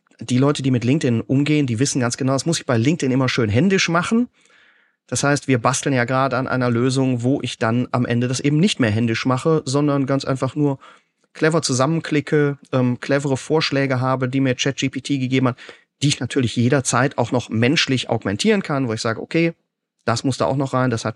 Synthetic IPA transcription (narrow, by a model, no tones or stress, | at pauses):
d̥iːlɔʏtədiːmɪtlɪŋk̚tɪnʔʊmɡeːəndiːvɪsn̩ɡant͡sɡ̥ənaʊdasmʊsɪçb̥aɪlɪŋk̚tɪnʔɪmɐʃøːnɦɛndɪʃmaχn̩ | d̥ashaɪstv̥iːɐbastl̩njaːɡʁaːdəanʔa̰ɪnɐløːzʊŋvoːʔɪçd̥anʔamʔɛ̰ndədasʔeːbm̩nɪçtmeːɐɦɛndɪʃmaχəzɔndɐnɡant͡sʔa̰ɪnfaχnuːɐ | kʰlɛvɐt͡suzamənkʰl̥ɪkʰəʔɛːmkʰl̥ɛvəʁəfoːɐʃlɛːɡəɦaːbədiːmiːɐt͡ʃɛt̚ʒ̥iːpitʰiːɡəɡeːbm̩hat | d̥iːɪçnatʰyːɐlɪçjeːɾɐt͡saɪta̰ʊxnɔχmɛnʃlɪçʔa̰ʊɡmɛntʰiːʁənkʰanvoːɪçz̥aːɡəʔo̰kʰeː | d̥asmʊsd̥a̰ːa̰ʊxnɔχʁ̥aɪndashat